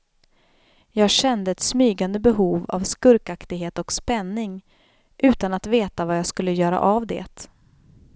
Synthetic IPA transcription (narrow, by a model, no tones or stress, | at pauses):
jɑːɡɕɛnd̪əɛt̪smyːɡand̪əbɛɦuːva̰vskɵɾkakt̪ɪɡɦeːt̪ɔkspɛnːɪŋ | ʔʉ̟ːt̪anat̪veːt̪avajɑːɡskɵlːəjœːɾa̰ʔavd̪ɛ̰ːt̪